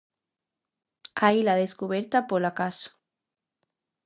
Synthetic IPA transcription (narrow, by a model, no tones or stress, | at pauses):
ajlaðeskuβeɾt̪apolakaso̥